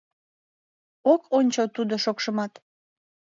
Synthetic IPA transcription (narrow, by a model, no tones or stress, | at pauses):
okonʲt͡ɕot̪ud̪oʃokʃəmɑt̪